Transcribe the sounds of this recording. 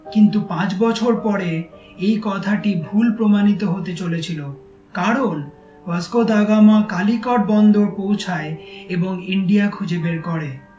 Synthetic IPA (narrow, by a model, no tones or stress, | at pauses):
kint̪upãt͡ɕbɔt͡ɕʰoɾpɔɾe | ejkɔt̪ʰaʈibʱulpɾomanit̪̬oɦot̪et͡ɕolet͡ɕʰilo | kaɾon | baskod̪aɡamakalikɔʈ̚bɔnd̪oɾpowt͡ɕʰaeeboŋiɳɖijakʰud͡ʑebeɾkɔɾe